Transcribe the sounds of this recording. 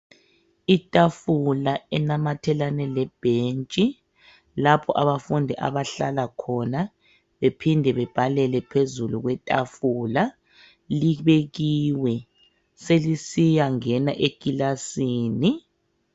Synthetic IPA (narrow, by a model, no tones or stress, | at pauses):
itʼafulaɛnamatʰɛlanɛlɛb̥ʱent͡ʃʼi | lapʰɔʔaβafundʱiʔa̰βaɬalakʰɔna | βepʰindʱɛβɛb̥ʱalɛlɛpʰezuluɣwɛtʼa̰fula | liβeɣiwɛ | selisijaŋɛnaʔekʼilasiːni